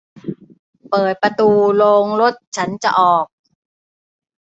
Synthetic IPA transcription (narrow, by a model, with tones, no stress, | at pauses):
pɤː˨˩t̪̚pɾa˧t̪uː˧loː˧ŋlo˦˥˩t̪̚t͡ɕʰa˦˥nt͡ɕa̰˨ʔɔː˨˩k̚